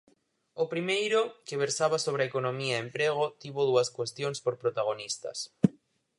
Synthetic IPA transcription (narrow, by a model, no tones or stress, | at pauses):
opɾimejɾokeβeɾsaβasoβ̞ɾeɐekonõmiaempɾeɣ̞ot̪iβoðuɐskwest̪joŋspoɾpɾot̪aɣ̞onist̪ɐ̰s